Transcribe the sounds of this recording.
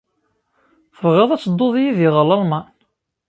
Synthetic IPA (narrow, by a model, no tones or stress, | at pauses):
θəvʁeðˤæt͡sːəd̪ˤːoðˤjiðiʁəlˤɑlmɑn